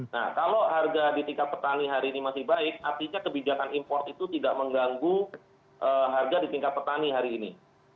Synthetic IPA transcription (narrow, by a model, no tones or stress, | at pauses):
na̰hkaloɦarɡadit̪iŋkat̪̚pərt̪aniɦaɾiːnimasɪhbaɪk̚art̪iɲakəbid͡ʒakanimpɔrt̪it̪ut̪idaʔməŋɡaŋɡu | ʔəɦarɡadit̪iŋkat̪̚pərt̪aniɦaɾiːnḭ